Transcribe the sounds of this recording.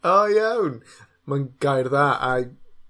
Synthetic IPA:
ojawn | manɡ̥ajrðaːʔa

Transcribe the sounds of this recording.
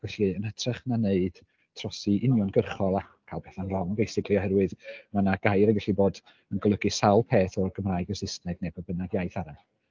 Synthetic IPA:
vɛɬiənətʰrɛχnaneɨd̥ | tʰrɔsiʔɪnjɔnɡərχɔlˠa | kʰaːlˠpʰɛθanrɔŋbejsɪkʰlˠiɔhɛɾwɨðmanaɡ̥ajɾəɡvɛɬiboːd | ənɡɔlˠəɡisawlˠpʰeːθɔrɡəmraːjɡəsɪstnɛɡnɛbɔbənaɡjajθaɾa

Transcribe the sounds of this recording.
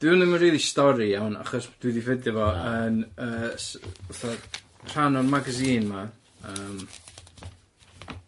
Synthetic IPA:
d̥ɪnəmənriːlˠistɔɾijawna̰χɔsd̥wɪdivɪdɔvɔənəːsuθɔ | pʰr̥anɔrmaɡaziːnma | əːm

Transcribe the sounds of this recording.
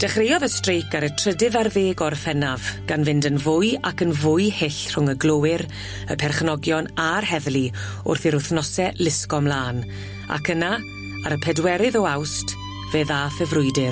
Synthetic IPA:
d̥ɛχrejɔðəstrejkaɾətʰr̥ədɨðarðeːɡɔrfɛnavɡ̥anvɪndənvʊjakənvʊɨhɪɬr̥ʊŋəɡlˠowɪɾ | əpʰɛrχnɔɡjɔnarhɛðlˠi | ʊ̰rθɪɾʊθnɔsɛlɪskɔmlˠaːn | a̰kʰəna | aɾəpʰɛdwɛɾɪðɔawst | veðaːfəvrʊɨdɪr

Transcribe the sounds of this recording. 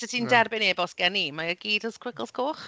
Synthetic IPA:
sɛtʰindɛrbɪneːbɔsɡ̥ɛnimaəɡiːdɔskʰw̥ɪklˠskʰoːχ

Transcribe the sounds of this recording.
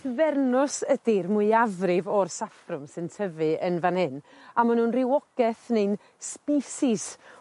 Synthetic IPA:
vɛrnʊsədɪrmʊɨavrɪvɔrsafrʊmsɨntʰəvɨənvanhɨn | amanunrɪwɔɡ̥ɛθnen | spiːsɪs

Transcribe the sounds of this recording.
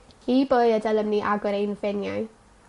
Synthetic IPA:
iboɨədaləmniʔaɡʊɾejnvɛnjaj

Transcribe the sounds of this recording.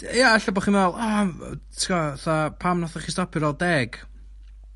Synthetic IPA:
jaaɬəbɔχiːnvɛlˠa̰tʰikɔθapʰamnaθaχistɔpʰɪɾɔlˠdɛɡ̥

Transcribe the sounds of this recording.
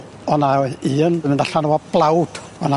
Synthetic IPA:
ɔnaiːənmɪndaɬanəwab̥lˠawd̥ | ɔna

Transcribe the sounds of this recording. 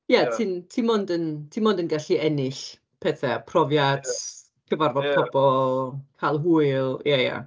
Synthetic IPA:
jatʰɨntʰimɔndəntʰinmɔndənɡaɬiɛnɪɬ | pʰɛθapʰrɔvjat | kʰəvarvɔd̥̚pʰɔbɔlˠkʰalˠɦuɨlˠjaja̰

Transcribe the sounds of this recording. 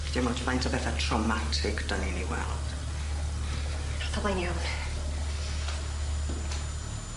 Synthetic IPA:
d̥ɪmɔtʰmajntʰəbɛθatʰrɔmatʰɪkʰd̥əninḭwɛ̰lˠd̥ | ḁθʰalanjon

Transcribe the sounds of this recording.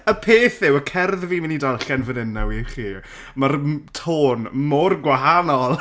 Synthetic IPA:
əpʰeːθɪwəkʰɛrðviːmɪnidalˠɬɛnvənɪnːawiχiː | martʰoːnmorɡwaɦanɔlˠ

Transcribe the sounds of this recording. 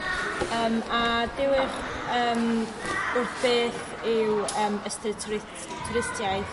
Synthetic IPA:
əːmadɪwɪχəːm | ʊrbeːθ | ɪwəːməstətʰɪ | tʰɾɪstjajð

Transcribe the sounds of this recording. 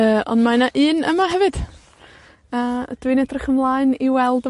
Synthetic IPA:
əːɔ̰ndmanaʔɨːnə̰maɦɛvɨd̥ | ad̥wɨnɛdrɪχəmlˠaːɨniwɛlˠdə

